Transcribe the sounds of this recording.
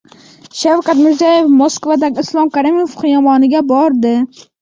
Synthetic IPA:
ʃawkʲat̪mɪɾzajefmoskvad̪aɡʲɪɪslˠɒmkaɾimofqʰɨjɒmɒnɪɡʲabɒɾd̪ɪ

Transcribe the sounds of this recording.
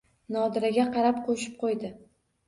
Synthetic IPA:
nɒd̪ɪɾaɡʲaqʰɑɾapqʰoʃɪp̚qʰojd̪ɪ

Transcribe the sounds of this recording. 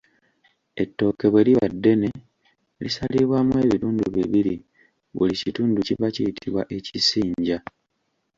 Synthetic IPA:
e̞tːo̞ːke̞βwe̞liβa̰dːe̞ne̞ | lisaliβwamue̞ːβiɾuːnduβiβiɾi | βṵlicituːnduciβacijitʰiβwa̰ʔe̞cisiːɲɟa

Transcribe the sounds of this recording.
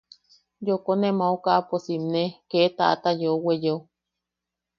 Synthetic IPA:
jokonemaukaʔaposimneket̪a̰ʔa̰t̪ajowejo

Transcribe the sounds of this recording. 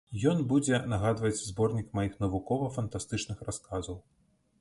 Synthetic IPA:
jɔnbud͡zʲɛnaɣad̪vɐt͡sʲzbɔrnʲikmajixnɐvukɔvɐfɐnt̪ast̪ɨt͡ʂnɨxraskazɐw

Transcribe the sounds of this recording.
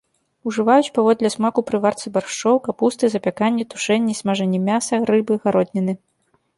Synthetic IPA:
uʐɨvajut͡sʲpavɔd̪lʲɐsmakupɾɨvart̪sɨbarʂt͡ʂɔwkapust̪ɨzɐpʲakanʲːɛt̪u̥ʂɛnʲːɛsʲmaʐɛnʲːɛmʲasɐɾɨbɨɣaɾɔd̪ʲnʲɛnɨ

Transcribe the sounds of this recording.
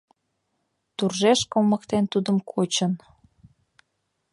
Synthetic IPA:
t̪urʒeʃkoməkt̪ent̪ud̪əmkʰot͡ɕən

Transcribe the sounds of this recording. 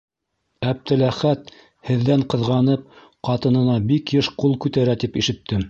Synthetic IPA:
æb̚t̪ɘ̆læχæt̪ | hɘ̆ðːæɴqɤ̆ðʁɑnɤp̚ | qɑt̪ɤ̆nɤ̆nɑbikjɘʃqulˠkʉt̪æɾæt̪ipiʃɘ̆t̪ːɘm

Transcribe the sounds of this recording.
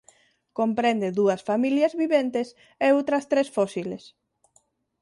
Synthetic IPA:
kompɾend̪eðuɐsfamiljɐzβiβent̪es | eowt̪ɾɐst̪ɾesfɔsiles

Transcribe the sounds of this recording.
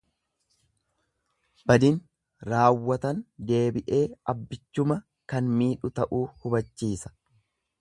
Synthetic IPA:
b̥ɐd̪ɪn | ɾaːwːɐt̪ɐnd̪e̞ːbɪʔe̞ːɐbːɪt͡ʃːʊmɐ | kɐnmiːᶑʊt̪ɐʔuːhʊbɐt͡ʃːiːsɐ̥

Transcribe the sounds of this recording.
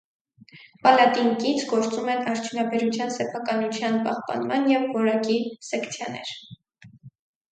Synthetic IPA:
pɑlɑt̪iŋkit͡sʰɡɔɾt͡sumɛnɑɾt͡ʃʰunɑbɛɾut͡sʰjɑnsɛpʰɑkɑnut͡sʰjɑnpɑ̰hpɑ̰nmɑnjɛvːɔɾɑkisɛkʰt͡sʰjɑnɛ̰ɾ

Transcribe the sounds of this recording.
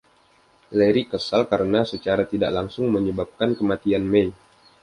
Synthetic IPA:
leɾikəsalkaɾənasət͡ʃaɾat̪ida̰ʔlaŋsʊŋməɲəbap̚kankəmat̪ianmej

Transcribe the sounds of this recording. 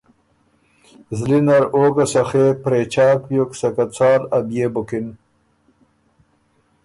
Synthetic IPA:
zlinɐɾoːɡɐsɐxeːpɾeːt͡ɕʰaːkjoksɐkat͡sʰaːɾɐbjeːbokin

